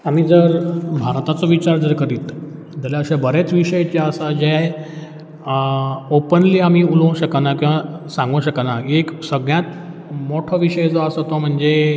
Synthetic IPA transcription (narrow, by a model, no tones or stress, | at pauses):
amiːd͡zəɾbʱaɾt̪at͡sɔʋit͡ɕaɾd͡zəɾkəɾiːt̪ | d͡zaleəɕabəɾet͡sʋiɕəjt͡ɕeəsad͡ʑej | opənliamiːulõw̃ɕəkanakĩw̃ʋasãŋɡuɕəkanaeksəɡɳjat̪ | moʈʰəʋiɕəjed͡zɔəsɔt̪ɔm̤əɳd͡ze